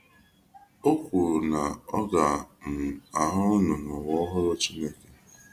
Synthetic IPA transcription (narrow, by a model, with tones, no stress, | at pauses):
o˦kʷu˨na˨ɔ˦ɡa˨m̩˨a˨ɦʊ˦ʊ˦nʊ˨nɔ˨wɔ˦ɦʊ˦ɾʊ˦t͡ʃi˦ne˦ke˦